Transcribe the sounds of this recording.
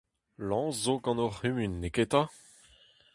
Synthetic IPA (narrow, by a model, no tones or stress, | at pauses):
lɑ̃ːszoɡɑ̃noʁymynːeket̪a